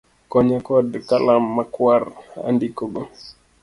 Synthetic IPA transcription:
kɔɲakɔdkalamːakwaɾa̰ndikɔɡɔ

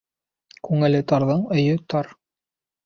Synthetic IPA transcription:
kʉŋɘ̆lɘt̪ɑɾðɤɴɵ̆jɵt̪ɑɾ

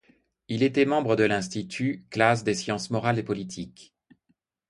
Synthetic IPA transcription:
ilet̪ɛmɑ̃bʁəd̪əlɛ̃st̪it̪ʰyklas̬d̪esjɑ̃smɔʁalepɔlit̪ʰik

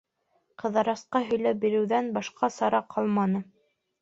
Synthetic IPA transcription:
qɤ̆ðɑɾɑsqɑɦɵ̆jlæp̚biɾɘ̆wðænbɑʃqɑsɑɾɑqʰɑlˠmɑnɤ

